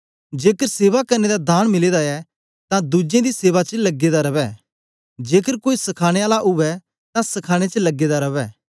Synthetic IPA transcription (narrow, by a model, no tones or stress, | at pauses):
d͡ʒeːkəɾseːʋakɐɾned̪ad̪ʱaːɽ̃mɪleːd̪aɛ | t̪ãd̪ud͡ʒẽd̪iseːʋat͡ʃəlɐɡːed̪aɾɐʋɛ | d͡ʒeːkəɾkoːisɐkʰaːɽ̃eaːlaʔʊʋɛ | t̪ãsɐkʰaːɽ̃et͡ʃəlɐɡːed̪aɾɐʋɛː